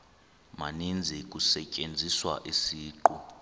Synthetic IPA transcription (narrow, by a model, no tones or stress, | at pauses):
ma̰nind͡zʱik̬ʼusɛcʼend͡zʱiswa̰ʔisiːǃu